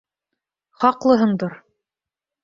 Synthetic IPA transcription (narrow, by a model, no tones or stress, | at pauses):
χɑqlˠɤ̆ɦɤɴd̪oɾ